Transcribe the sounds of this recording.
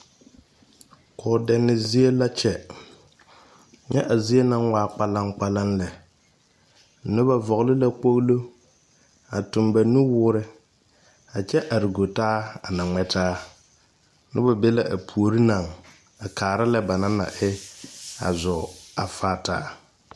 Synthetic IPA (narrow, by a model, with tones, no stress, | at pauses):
kʰɔː˨dɛ˨nːɪ˨zi˦e˦la˦t͡ʃɛ˨ | ɲɛ̰˦ʔa˨zi˦e˦na˦ŋwaː˦k͡pa˦la˦ŋk͡pa˦la˦nlɛ˨ | nɪ˦ba˨vɔ˨ɣlɪ˦la˦k͡po˦ɣlo˦ | a˨tʊ˨mba˨nu˦wʊː˦ɾɪ˦ | a˨t͡ʃɛ˦ʔa˨ɾɪ˨ɡo˨taː˦a˨na˨ŋɛ˦tʰaː˦ | nɪ̰˦ba˨be˦la˦ʔa˨pʰu˨o˨ɾi˦na˨ŋ | a˨kʰaː˨ɾa˦lɛ˦ba˨na˦na̰˨ʔɪ˦a̰˨zɔ˨a˨faː˦ta̰ː˦